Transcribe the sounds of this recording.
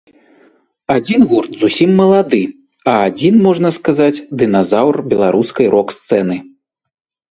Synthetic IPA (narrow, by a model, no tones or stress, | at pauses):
ad͡zʲinɣurt̪zusʲimːɐlˠad̪ɨ | ɐad͡zʲinmɔʐnɐskazat͡sʲd̪ɨnazawrbʲɛlˠaɾʔuskɐjɾʔɔkst̪sɛnɨ